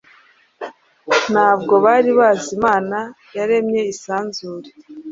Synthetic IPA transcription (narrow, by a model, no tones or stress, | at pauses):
n̥haːbɡo̞βaɾiβaːzimaːna | jaɾe̞mɲe̞isaːnzuːɾe